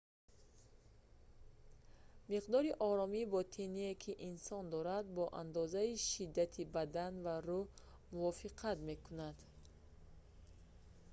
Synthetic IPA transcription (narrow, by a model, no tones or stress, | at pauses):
miqd̪ɔɾiʔɔɾɔmibɔt̪ʰiniekʰiʔinsɔnd̪ɔɾad̪̚bɔʔand̪ɔzaiʃid̪ːat̪ʰibad̪anvaɾu | muvɔfiqʰat̪me̞kʰunad̪̥